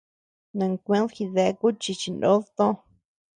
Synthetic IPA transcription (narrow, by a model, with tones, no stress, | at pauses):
nã˨ŋkʷẽ˦lxi˧ðe˧˦ku˦t͡ʃi˧t͡ʃi˧ndo˦ðt̪õ˦